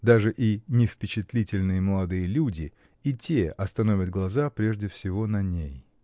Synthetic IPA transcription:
d̪aʐɨʔinʲɪfpʲɪt͡ɕɪt̪lʲitʲɪlʲnɨjəməlˠɐd̪ɨjəlʲudʲɪ | itʲeɐst̪ɐnovʲət̪̚ɡlˠɐzapɾʲeʐdʲɪfsʲɪvo̞nɐnʲej

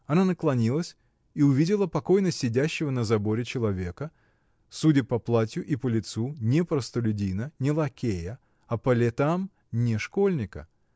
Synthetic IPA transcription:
ɐnanəklˠɐnʲilˠəsʲ | iʊvʲidʲɪlˠəpɐko̞jnəsʲːɪdʲæɕːɪvənəzɐbo̞ɾʲɪt͡ɕɪlˠɐvʲe̞kə | sudʲɪpɐplˠatʲjʊʔipəlʲɪt̪sunʲepɾəst̪əlʲʊdʲinənʲɪlˠɐkʲejə | ɐpəlʲɪt̪am | nʲɪʂko̞lʲnʲɪkə̰

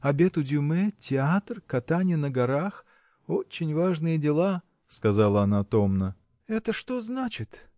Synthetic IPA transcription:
ɐbʲe̞t̪ʊdʲʊmɛtʲɪat̪rkɐt̪anʲɪjənəɡɐɾax | ot͡ɕːɪnʲvaʐnɨjədʲɪlˠa | skɐzalˠəɐnat̪o̞mnə | ɛt̪əʂt̪oznat͡ɕɪt̪

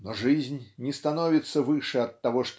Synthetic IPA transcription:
nɔʐɨzʲnʲnʲɛst̪anɔvʲit̪sːɐvɨʂɛɐt̪ːaɣɔʂt̪

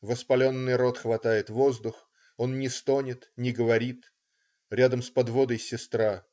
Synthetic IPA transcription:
vəspɐlʲo̞nːɨjro̞t̪xvɐt̪ajɪt̪vo̞zd̪ʊx | o̞nnʲɪst̪onʲɪt̪nʲɪɡəvɐɾʲit̪ | ɾʲad̪əmspɐd̪vo̞d̪əjsʲɪst̪ɾa

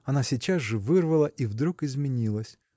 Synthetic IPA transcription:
ɐnasʲit͡ɕazʐɨvɨrvɐlˠɐʔivd̪ɾukɪzmʲɪnʲilˠəsʲ

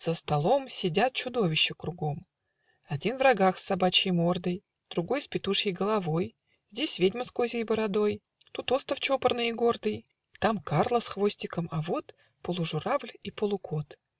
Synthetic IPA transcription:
z̥əst̪ɐlˠo̞msʲɪdʲat̪̚t͡ɕʊd̪o̞vʲɪɕːɪkɾʊɡo̞m | ɐdʲinvrɐɡaxsːɐbat͡ɕɪjmo̞rd̪əj | d̪̥ɾʊɡo̞jspʲɪt̪uʂjəjɡəlˠɐvo̞j | zʲdʲesʲvʲedʲməskozʲəjbəɾɐd̪o̞j | t̪ut̪o̞st̪əft͡ɕo̞pərnɨjiɡo̞rd̪ɨj | t̪amkarlˠəsxvo̞sʲtʲɪkəmɐvo̞t̪ | pəlˠʊʐʊɾavlʲipəlˠʊkʰo̞t̪

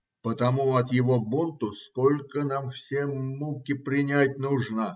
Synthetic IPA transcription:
pət̪ɐmuɐt̪jɪvobunt̪ʊskolʲkənamfsʲemukʲɪpɾʲɪnʲæt̚ʲnuʐnə

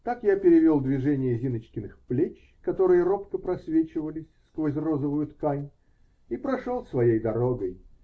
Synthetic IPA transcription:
t̪akjapʲɪɾʲɪvʲo̞lˠd̪vʲɪʐɛnʲɪjəzʲinət͡ɕkʲɪnɨxplʲet͡ɕ | kɐt̪o̞ɾɨjəɾo̞pkəpɾɐsvʲet͡ɕɪvəlʲɪsʲskvos̬ʲrozəvʊjʊt̪kajʲ | ipɾɐʂolˠsvɐjejd̪ɐɾo̞ɡəj

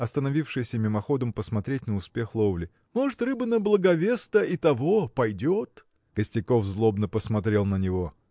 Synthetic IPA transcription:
ɐst̪ənɐvʲifʂɨjsʲəmʲɪmɐxo̞d̪əmpəsmɐt̪ɾʲet̚ʲnəʊspʲe̞xlˠovlʲɪ | moʐɨt̪rɨbɨnəblˠəɡɐvʲest̪əit̪ɐvopɐjdʲot̪ | kəsʲtʲɪko̞fzlˠo̞bnəpəsmɐt̪ɾʲe̞lˠnənʲɪvo̞

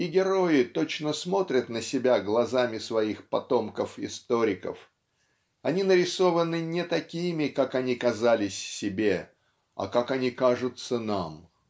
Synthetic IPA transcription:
ɪɡʲɪɾo̞ɪt̪o̞t͡ɕnəsmo̞t̪ɾʲət̪nəsʲɪbʲaɡlˠɐzamʲɪsvɐixpɐt̪o̞mkəfɪst̪oɾʲɪkə̰f | ɐnʲinəɾʲɪso̞vənɨnʲɪt̪ɐkʲimʲɪkakɐnʲikɐzalʲɪsʲsʲɪbʲe̞ | ɐ̰kakɐnʲikaʐʊt̪sənam

